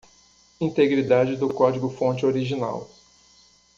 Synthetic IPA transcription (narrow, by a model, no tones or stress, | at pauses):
ĩt̪eɡɾid̪ad͡ʒɪd̪ʊkɔd͡ʒiɡʊfõnt͡ʃɪoɾiʒina̰w